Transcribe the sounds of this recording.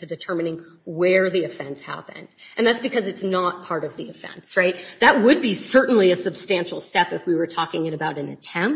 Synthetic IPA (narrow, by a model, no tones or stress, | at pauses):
tʰɨdɨtʰɜ˞mɨ̃nɪ̃ŋwə˞ðiɨfɛ̃nshæ̰pɨ̰̃nd̥ʔɨ̃nðætsb̥ɨkʰʌzɨtsnət̚pʰɑɹɾʌvðiɨfɛ̰̃nsɹaɪt̪̚ðɨt̚wəd̚bisɜ˞ʔn̩liɨsɨb̥stæ̃nʃl̩ˠstɛpɨfwiwə˞tʰɔkɪ̃ŋɨ̃ñɨbaʊɾɨ̃nðɨ̰tʰɛ̃m